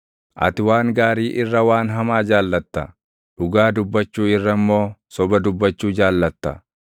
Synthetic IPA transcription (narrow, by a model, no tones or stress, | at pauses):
ʔɐ̰t̪ɪwaːŋɡaːɾiːʔɪrːɐwaːnɦɐmaːd͡ʒaːlːɐt̪ːɐ | ᶑʊɡaːd̪ʊbːɐt͡ʃːuːɪrːɐmːo̞ːsɔbɐd̪ʊbːɐt͡ʃːuːd͡ʒaːlːɐt̪ːɐ